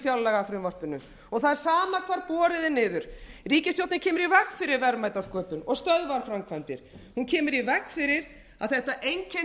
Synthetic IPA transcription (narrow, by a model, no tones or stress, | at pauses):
fjawlːɛɣafɾɪmvɔr̥pʏnːʏ | ɔɣθaðɛɾ̥saːmakʰaːɾpɔːɾɪðɪnɪːðʏɾ̥riːcɪstjowt̪nɪcʰɛːmʏɾivɛkːfɪɾɪɾvɛɾmajt̪awskœːpʏnɔɣst̪œðvaɾfɾamkʰvant̪ɪɾ̥huncʰɛːmʏɾivɛkːfɪɾɪɾ | a̰ðθɛht̪aʔejŋcɛ